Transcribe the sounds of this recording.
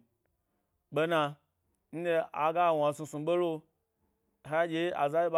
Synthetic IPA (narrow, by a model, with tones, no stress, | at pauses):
ɓe˧na˧ | n̩˦de˧a˨ɡa˦˨wa˨sũ˧sũ˨ɓe˦lo˦ | ɦa˦d͡ʒʲe˨˦a̰˨za˦ji˦ɓ